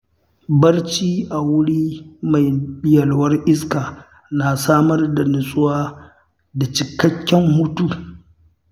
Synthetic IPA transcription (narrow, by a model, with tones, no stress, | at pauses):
bɐ˦rt͡ʃiː˦ʔa˨wʊ˦ɽiː˦ma˨jɓɪ˦jɐ˨lwɐ˦rʔɪ˦skaː˨ | na˨saː˦mɐ˦rda˨nʊ˨sʼʊ˦waː˦ | da˨t͡ʃɪ˨kɐ˦kʲːɛ˦mːʊ˦tuː˦˨